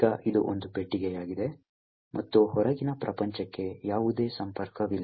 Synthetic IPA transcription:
ɐʔid̪ṵʔond̪upeʈːiɡɛjaːɡid̪e̞ | mʔɐt̪ːuhɔɾɐɡinɐpɾɐpɐɲt͡ʃɐkːe̞jaːʋud̪e̞ːsɐmpɐɾkɐʋilː

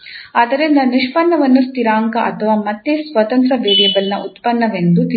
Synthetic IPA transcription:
aːd̪ɐɾind̪ɐniʂpɐnːɐʋɐnːust̪iɾaːŋkɐʔɐt̪ʰɐʋaːmɐt̪ːesʋɐt̪ɐnt̪ɾɐʋeːɽjɐbɐlnɐʔut̪pɐnːɐʋend̪ut̪i

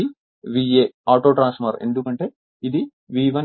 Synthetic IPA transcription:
i | ʋiːeːaːʈoːʈɾaːnsmɐɾe̞̰nd̪ukɐɳʈe̞ː | id̪i | ʋiːʋɐn

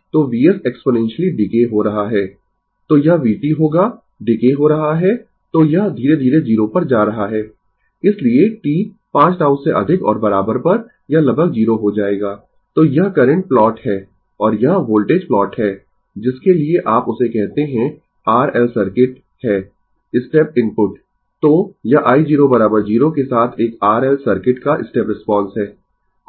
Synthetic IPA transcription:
t̪oːʋiːɛsɛksponɛ̃nʃəliɖɪkeɦoɾɐɦaɦɛː | t̪oːjɐɦʋiːʈiɦoːɡaː | ɖɪkeɦoɾɐɦaɦɛː | t̪oːjɐɦd̪ʱiːɾed̪ʱiːɾed͡ʒiːɾopɐɾd͡ʒaːɾɐɦaɦɛː | ɪslieʈiː | pãːt͡ʃʈãːʊ̃seʔɐ̰d̪ʱɪkɔ̰ːɾbɐɾaːbəɾpɐɾ | jɐlɐbʱək̚d͡ʒiːɾoɦod͡ʒaːeːɡaː | t̪oːjɐɦkɐɾə̃ɳʈ̚plɔːʈhɛː | ɔːɾjɐɦʋoːlʈeːd͡ʒplɔːʈɦɛː | d͡ʒɪskelieʔaːpʊsekɛɦt̪eɦɛ̃ | aːɾɛːlsɐɾkɪʈ | hɛː | ɪsʈɛːp̚ɪ̃mpʊʈ | t̪oːjɐʔaːid͡ʒiːɾobɐɾaːbəɾd͡ʒiːɾokesaːt̪ʰeːkaːɾɛːlsɐɾkɪʈkaʔɪsʈɛːpɾɪspɔ̃ːnsɦɛː

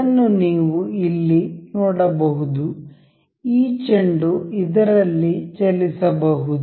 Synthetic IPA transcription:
ɐnːuniːʋuilːinɔːɽɐbɐɦud̪u | iːt͡ʃeɳɖuid̪ɐɾɐlːit͡ʃelisɐbɐɦud̪

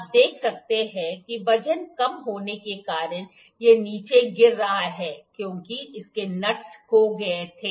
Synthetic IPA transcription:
p̚d̪eːkʰsɐk̚t̪eɦɛ̃kiʋɐd͡ʒənkɐmɦoːnekekaːɾən | jeniːt͡ʃeɡɪɾːɐɦaɦɛːkjõːkiɪskenɐʈshoɡɐet̪ʰeː

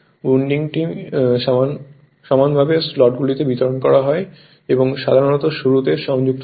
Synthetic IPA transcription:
uɳɖiŋʈimʃn | ʃɔmanbʱabeslɔʈ̚ɡulit̪ebit̪oɾonkɔɾaɦɔe | eboŋʃad̪ʱaɾonɔt̪oʃuɾut̪eʃɔŋd͡ʑuk̚t̪

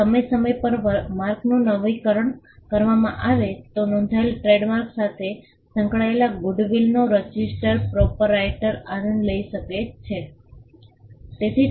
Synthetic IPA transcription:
əməjsəməjpəɾmaɾknũnəʋikəɾəɳ | kəɾʋamã̰ʔaʋet̪onɔ̃nd̪ʱaelʈɾeɖmaɾksat̪ʰe | sə̃ŋkɭaelaɡʊɖʋilnoɾəd͡ʒisʈəɾpɾɔpəɾajʈəɾaɾəɳləiʃəket͡ʃʰe | t̪et̪ʰi

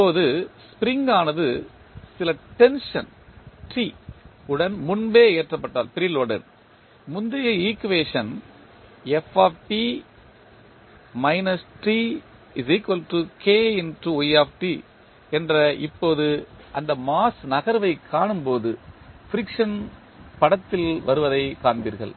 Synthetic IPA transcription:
ɪpːoːðɯspɪɾɪŋɡaːnɐðɯ | sɪlɐʈɛnʂɐ̰n | ʈiʊɽɐnmʊnbeːeːʈrɐpːɐʈːa̰ːlpɪɾɪloɽɐ̰n | mʊnd̪ɐjɐiːkːɯʋeːʂɐn | ɛfaːfʈi | mɐɪnɐsʈi | ɪsiːkʋɐlʈɯkʰeːɪnʈuujaːfʈi | ɛndrɐʔɪpːoːðɯʔɐnd̪ɐmaːsnɐɣɐɾʋɐɪkʰːaːɳɯmpoːðɯfɪɾɪkʂɐn | pɐɽɐt̪ːɪlʋɐɾɯʋɐðɐɪkaːɳbiːɾɣɐ̰ɭ

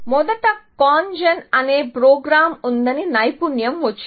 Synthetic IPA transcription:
mɔd̪ɐʈɐkaːnd͡ʒɐnɐneːpɾoːɡɾaːmund̪ɐninɐjpunjɐmʋɐt͡ʃː

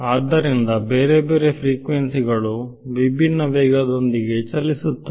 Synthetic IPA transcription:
aːd̪ɐɾind̪ɐbeːɾebeːɾepʰɾiːkʋensiɡɐɭuʋibʱinːɐʋɛːɡɐd̪o̞nd̪iɡe̞t͡ʃɐlːisut̪ːu

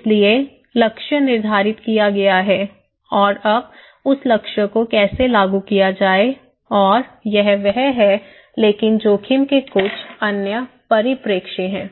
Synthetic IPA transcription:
lie | lɐkʃənɪɾd̪ʱaːɾɪt̪kijaɡɐjaɦɛː | ɔːɾɐb̚ | ʊslɐkʃəkokɛːselaːɡukijad͡ʒaːe | ɔːɾjɛɦʋɛɦɦɛ | leːkɪnd͡ʒoːkʰɪmkekʊt͡ʃʰɐnjə | pɐɾɪpɾeːkʃeɦɛ̃ː

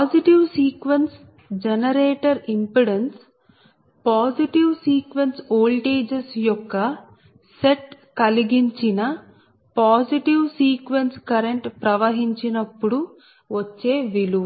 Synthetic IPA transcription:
paːsiʈiʋsiːkʋens | d͡ʒenɐɾeːʈɐɾimpuɽens | paːsiʈiʋsiːkʋensoːlʈeːd͡ʒesjɔkːɐ | seʈ | kɐliɡiɲt͡ʃinɐ | paːsiʈiʋsiːkʋenskɐɾeɳʈpɾɐʋɐɦiɲt͡ʃinɐpːuɽu | ʋɐt͡ʃːeːʋilu

